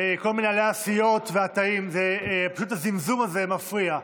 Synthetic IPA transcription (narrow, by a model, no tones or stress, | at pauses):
eko̞lminealeaːsijo̞tveat̪aimzepaʃut̪hazimzumazemafʁia